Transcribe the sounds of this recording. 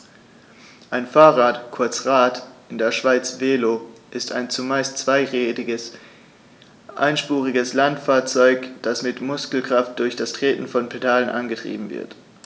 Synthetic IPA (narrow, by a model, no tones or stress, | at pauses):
ʔaɪnfaːʁaːtkʰʊɐt͡sʁaːtʔɪndeːɐʃv̥aɪt͡sv̥eːloʔɪstʰa̰ɪnt͡sumaɪstt͡sv̥aɪʁeːtɪɡəs | ʔa̰ɪnʃpuːʁɪɡəslantfaːɐt͡sɔʏkd̥asmɪtmʊskl̩kʁ̥aft̚d̥ʊɐçd̥astʁ̥eːtn̩fɔnpʰedaːlənʔa̰nɡətʁ̥ḭːbm̩vɪ̰ɐt